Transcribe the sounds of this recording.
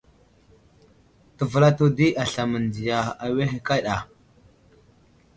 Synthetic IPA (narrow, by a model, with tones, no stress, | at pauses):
tə˨və˨la˦tu˦di˦ʔa˨ɬa˨mə˨ndi˨ja˨a˨we˦xe˨ka˦ɗa˨